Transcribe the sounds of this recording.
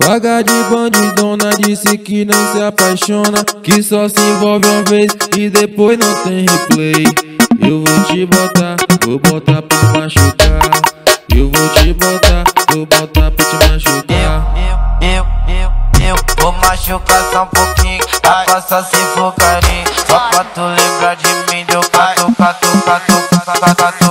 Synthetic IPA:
faɡad͡ʒɪbɐ̃d͡ʒid̪õnɐd͡ʒisɪkɪnɐ̃w̃sɪapajʃõnɐkɪsɔsɪĩvɔwvɪũmɐvejsɪd̪epojnɐ̃w̃t̪ẽj̃heplejewvot͡ʃibot̪avobot̪apeimaʃuka | ewvot͡ʃibot̪avobot̪apɾat͡ʃimaʃuka | ew | ewvomaʃukasãũpokĩapasasifokaɾĩsɔpat̪olẽbɾad͡ʒimĩd̪okaokat̪okat̪oa

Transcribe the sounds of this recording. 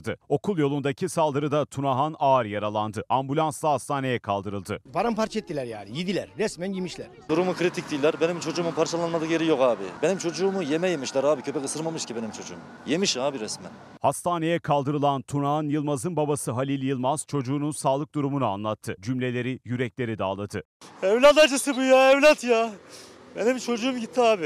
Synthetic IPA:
d̪ɯo̞kʰulˠjo̞lˠund̪acʰisalˠd̪ɯɾɯd̪at̪ʰunaɦanaːɾjaɾalˠand̪ɯʔambulʲˠanslˠaɦast̪ʰaːne̞jɛkʰalˠd̪ɯɾɯlˠd̪ɯpʰaɾampʰaɾt͡ʃʰɛt̪ʰːilʲæɾja̰ːnijid̪ilʲæɾːɛsmænjimiʃlʲæɾ̥d̪uɾumukʰɾit̪ʰic̚t̪ʰiːlʲːæɾbenimt͡ʃʰo̞d͡ʒuːmumpʰaɾt͡ʃʰalˠanmad̪ɯkjeɾijo̞kaːbḭbenimt͡ʃʰo̞d͡ʒuːmujemɛjemiʃlʲæɾaːbicʰø̞pɛkɯsɯɾmamɯʃcʰibe̞nimt͡ʃʰo̞d͡ʒuːm | jemiʃaːbiɾɛsmæ̰n | hast̪ʰaːne̞jɛkʰalˠd̪ɯɾɯlˠant̪ʰunaɯnjɯlˠmazɯnbabasɯɦalʲilʲjɯlˠmaz̥t͡ʃʰo̞d͡ʒuːnunsaːlˠɯk̚d̪uɾumunua̰nlˠat̪ʰːɯd͡ʒymlʲe̞lʲe̞ɾijyɾɛclʲe̞ɾid̪aːlˠad̪ʰɯ | ɛvlʲat̪ad͡ʒɯsɯbujaɛvlʲat̪jaː | benimt͡ʃʰo̞d͡ʒuːumɟit̪ʰːiaːbɪ

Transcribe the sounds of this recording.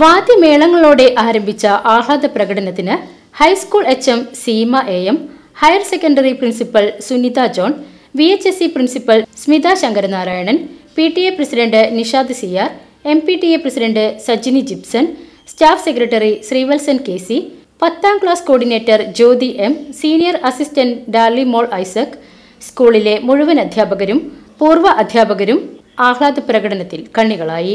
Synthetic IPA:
ʋaːd̪jɐme̞ːɭɐŋːɐɭoːɽe̞ʔaːɾɐmbʱit͡ɕːɐʔaːɦaːd̪ɐprɐɣɐɽɐnɐt̪ːinɨ | hɐjskuːɭe̞t͡ɕːemsimɐʔeːem | hɐjɐrsekːɐɳɖɐriprinsipːɐɭsunid̪aːd͡ʑo̞ːɳ | ʋiet͡ɕːesiprinsipːɐlsmid̪aːɕɐŋɡɐɾɐnaːɾaːjɐɳɐnpiːʈːieprɐsiɖɐɳɖɨniʂaːd̪ɐsiaːr | e̞mpiʈieprɐsiɖɐɳɖɨsɐd͡ʑinid͡ʑipsɐn | staːfsekɾɐʈːɐrisriːʋelsɐnke̞ːsi | pɐt̪ːaːmkɭaːsko̞ːɖine̞ːtːɐrd͡ʑo̞ːd̪iʔe̞msiːnijɐrɐsistɐnɖaːlːimo̞ːɭɐjsɐkː | skuːɭile̞muɻuʋɐnɐd̪ʱjaːbɐɣɐɾumpuːrʋɐʔɐd̪ʱjaːbɐɣɐɾumaːkɭaːd̪ɐprɐɣɐɽɐnɐt̪ːilkɐɳːiɣɐɭaːji

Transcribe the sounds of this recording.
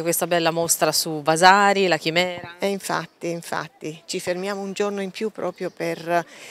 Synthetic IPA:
kwest̪abɛlːamost̪ɾasuvazaːɾilakimɛːɾaeiɱfa̰t̪ːiiɱfa̰t̪ːit͡ʃifermjaːmound͡ʒornoimpjupːɾɔːpɾjoper

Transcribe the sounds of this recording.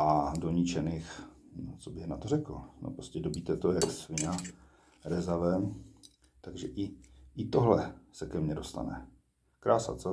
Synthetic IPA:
ʔado̞ɲɪt͡ʃɛnɪxot͡sobɪɣnat̪orɛkl̩no̰pɾoscɛdobit̪ɛt̪ojasvɪna | ɾɛzavɛm | t̪aɡʒɛʔɪʔɪt̪oɦlɛsɛkɛmɲɛdo̞st̪a̰nɛ̰ | kɾaːsa̰t͡so

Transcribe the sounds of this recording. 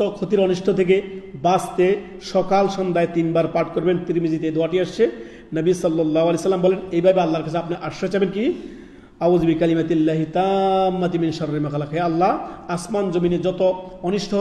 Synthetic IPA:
t̪okʰot̪iɾɔniʃʈʰot̪ʰek̬ebast̪e | ʃɔkalʃɔnd̪aet̪inbaɾpaɾʈʰkoɾbent̪iɾimid͡ʑit̪ed̪oaʈiaʃt͡ɕʰe | nəbisɔlːɔlːaːɦoalejsɐlːambɔlenejbʱabealːaɾkat͡ɕʰeapnaʔaʃot͡ɕabenki | awd͡ʑbikɐlimat̪lːaɦit̪amːat̪̬iminʃɐɾɾimakalakʰaealːaasmand͡ʑomined͡ʑɔt̪oɔniʃʈʰo

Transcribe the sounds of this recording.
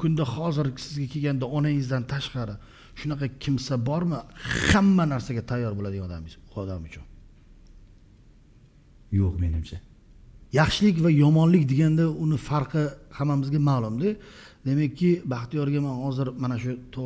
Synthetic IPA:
kʰʊnd̪ahɒzɪɾsɪzɡʲakʲʰe̞ɡʲand̪aɒnaŋɪzd̪ant̪ʰaʃqɑɾɪ | ʃʊnaqʰɑkʲʰɪmsabɒɾmɪhamːanaɾsaɡʲat̪ʰajːɒɾbolad̪ɪɡanɔd̪amɪzʊɒd̪amʊt͡ʃʰʊn | joqme̞nɪmt͡ʃʰa | jɑχʃɪlɪkʲvajɒmɒnlɪkʲd̪eɡʲand̪aʊnɪfaɾqʰɨhamːamɪzɡʲamaːlˠʊmd̪ɪ | d̪e̞makʲʰːɪbaχt̪ijɒɾɡʲamanhɒzɪɾmanaʃʊt̪ʰo

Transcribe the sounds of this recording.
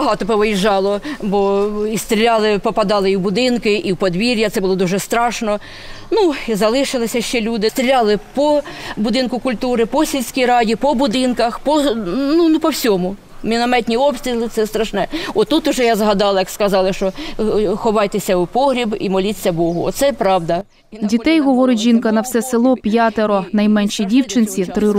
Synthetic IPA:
bɐɦɑt̪ɔpɔʋɪjiʒɑlˠɔbɔist̪ɾʲilʲɑlˠɪpɔpɐd̪ɑlˠɪiwbʊd̪ɪnkɪʔiwpɔd̪ʋʲiɾʲjɐt̪sɛbʊlˠɔd̪uʒɛst̪ɾɑʃnɔ | nuizɐlˠɪʃɪlˠɪsʲɐʃt͡ʃɛlʲud̪ɪst̪ɾʲilʲɑlˠɪpɔbʊd̪ɪnkʊkʊlʲt̪uɾɪpɔsʲilʲsʲkʲijɾɑdʲipɔbʊd̪ɪnkɐxpɔnunupɔwsʲɔmʊ | mʲinɔmɛt̪ʲnʲiɔpst̪ʲɾʲilˠɪt̪sɛst̪ɾɐʃnɛɔt̪ːut̪ʊʒɛjazɦɐd̪ɑlˠɐjɐkskɐzɑlˠɪʃt͡ʃɔxɔʋɑjt̪esʲɐʊpɔɦɾʲibimɔlʲit͡sʲːɐbɔɦʊɔ̰t̪sɛpɾɑwd̪ɐ | dʲit̪ɛjɦɔʋɔɾɪtʲʒinkɐnɐwsɛsɪlˠɔpʲjɑt̪eɾɔnɐjmɛnʃidʲiwt͡ʃɪnt͡sʲit̪ɾɪ

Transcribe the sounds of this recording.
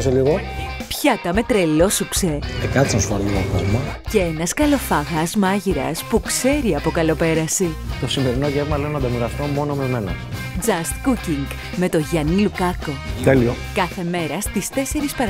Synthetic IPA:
seliɣopçɐt̪ɐme̞t̪ɾelo̞sukseekɐt̪sɐnsuɐɾlinofɐlmɐce̞enɐskɐlo̞fɐɣɐzmɐʝiɾɐ̰spukse̞ɾiɐpo̞kɐlo̞pe̞ɾɐsit̪o̞sime̞ɾino̞ʝevmɐleonɐnd̪ɐmiɾɐst̪omo̞nomemenɐ̰ | d͡zɐst̪kuciŋɡ | me̞t̪o̞ʝɐnilukɐko̞t̪elio̞kɐθe̞me̞ɾɐst̪ist̪e̞se̞ɾispɐɾ

